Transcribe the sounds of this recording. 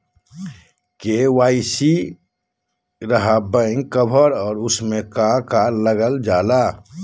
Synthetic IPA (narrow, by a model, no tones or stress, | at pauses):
kewaːisi | ɾəɦabə̃ɪ̃ŋkəbʱəɾɔːɾʊsmẽkakaɾləɡəld͡ʒaːla